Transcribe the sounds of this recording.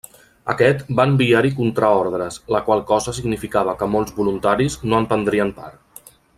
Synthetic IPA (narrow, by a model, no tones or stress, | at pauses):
ə̰kɛt̪baəmbiaɾikunt̪ɾaɔɾðɾəsləkwalˠkɔzəs̬iɡnifikaβ̞əkəmolˠzβulunt̪aɾiznoəmpənd̪ɾiəmpa̰ɾ